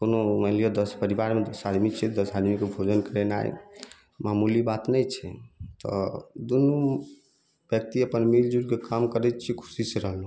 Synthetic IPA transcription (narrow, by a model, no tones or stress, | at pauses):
konoməlijod̪əspəɾibaɾmed̪əsad̪mit͡ʃʰɛd̪əsad̪mikebʱod͡ʒənkəɾɛna̰j̰ | mamulibat̪nəjt͡ʃʰɛ̰t̪ɔ̰d̪unu | b̥jək̚t̪iəpənmild͡ʒuɾkekamkəɾɛt̪t͡ʃʰikʰu̥siseɾəɦlu